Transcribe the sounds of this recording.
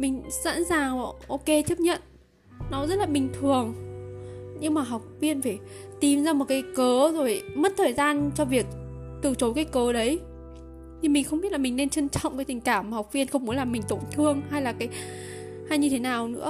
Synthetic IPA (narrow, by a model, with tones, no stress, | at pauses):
mï˨˩ŋ̟sa̰ː˧˥nzaː˨˩ŋ˨˩ʔo˧ke˧t͡ɕə˦˥p̚ɲə̰˧˨n | nɔ˨˦zə˦˥t̚laː˨˩ɓï˨˩ŋ̟t̪ʰɨ˨˩əŋ | ɲɨ˧ŋmaː˨˩ɦa˨˩wk͡p̚vi˧ənfaː˧˩t̪i˨˩mzaː˧mo˨˩t̚kaː˨˦jkəː˨˦zo˨˩jmə˦˥t̚t̪ʰəː˨˩jzaː˧nt͡ɕɔ˧vi˨˩ək̚ | t̪ɨ˧˩t͡ɕo˨˦jkaː˨˦jkəː˨˦ɗə˨˦j | t̪ʰi˨˩mï˨˩ŋ̟xə˧wŋ͡mɓi˦˥t̚laː˨˩mï˨˩ŋne˧nt͡ɕə˧nt͡ɕɔ̰˧˨ŋ͡mkaː˨˦t̪i˨˩ŋ̟kaː˧˩mːaː˨˩ha˨˩k͡p̚vi˧ənxə˧wŋ͡mmu˨˦laː˨˩mːï˨˩ŋ̟t̪o˧˩ŋ͡mt̪ʰɨ˧˩əŋha˧jlaː˨˩kaː˨˦j | ha˧jɲɨ˧t̪ʰe˨˦naː˨˩wnɨ̰˧˥ə